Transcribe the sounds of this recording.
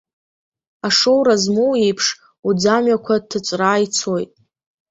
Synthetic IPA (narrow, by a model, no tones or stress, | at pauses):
aʂowɾazmowipʰʂ | ud͡zamɥakʷʰatʰːɨt͡sʷʼraːjt͡sʰo̞jtʼ